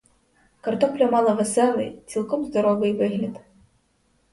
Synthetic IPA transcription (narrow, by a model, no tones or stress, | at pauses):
kɐrt̪ɔplʲɔmɑlˠɐvɛsɛlˠɨ̰jt̪sʲilˠkɔmzd̪ɔɾɔvɨjvɨɣlʲɐd̪